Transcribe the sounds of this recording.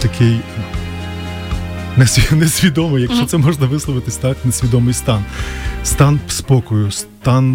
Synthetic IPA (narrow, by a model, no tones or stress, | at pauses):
t̪ɐkʰɪj | nenesʲʋʲid̪ɔmɪjɐkʃt͡ʃɔt̪sɛmɔʒnɐʋɪslˠɔʋɪt̪ɪsʲt̪ɑknesʲʋʲid̪ɔmɪjst̪ɑnst̪ɑnpspɔkɔjʊst̪ɑn